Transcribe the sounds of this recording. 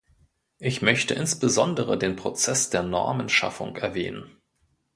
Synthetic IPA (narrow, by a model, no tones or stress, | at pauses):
ʔɪçmœçtəʔɪnsb̥əzɔndəʁədeːnpʁ̥ot͡sɛsd̥eːɐnɔ̰ɐmənʃa̰fʊ̰ŋɛɐvɛːnən